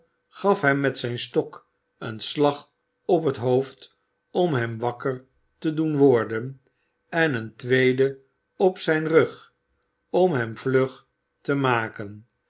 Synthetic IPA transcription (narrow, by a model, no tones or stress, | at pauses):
χɑfɦɛmːɛtsɛjnstɔk | ənslɑχ | ɔp̬ɦətɦowft | ɔmɦɛmʋɑkəɹ | tədunʋɔɹdən | ɛnəntʋejdə | ɔpsɛjnrøχ | ɔmɦɛmvløχ | təmaːkən